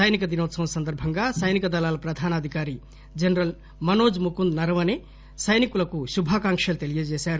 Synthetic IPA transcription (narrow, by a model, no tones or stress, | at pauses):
sɐjnikɐd̪inoːt̪sɐ̃w̃sɐnd̪ɐɾbʱɐŋɡasɐjnikɐd̪ɐlaːlɐpɾɐd̪ʱaːnɐd̪ʱikaːɾi | d͡ʒɐnɾɐl | mɐnoːd͡ʒmukund̪nɐɾɐʋɐne | sɐjnikulɐkusubʱaːkaŋkʂɐlt̪elijɐd͡ʒeːsaːɾu